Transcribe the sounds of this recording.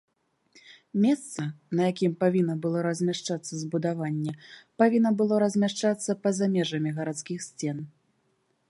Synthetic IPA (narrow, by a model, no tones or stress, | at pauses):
mʲɛst̪sɐnɐjakʲimpavʲinːɐbɨlˠɔɾɐzʲmʲaʂt͡ʂat̪sːɐzbud̪avanʲːɛpavʲinːɐbɨlˠɔɾɐzʲmʲaʂt͡ʂat̪sːɐpɐzamʲɛʐɐmʲiɣɐɾat̪skʲixsʲt͡sʲɛn